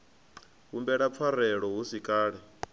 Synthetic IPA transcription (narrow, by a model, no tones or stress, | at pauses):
ɦumbɛɺap̪fʰaɾɛɺɔɦusikʼaːɺɛ